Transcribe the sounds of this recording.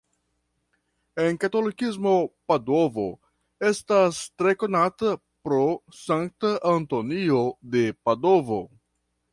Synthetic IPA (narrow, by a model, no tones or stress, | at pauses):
e̞nkato̞likis̬mo̞pado̞vo̞̰ | e̞stastɾe̞ko̞nata | pɾo̞saŋk̚taʔanto̞niode̞pado̞vo̞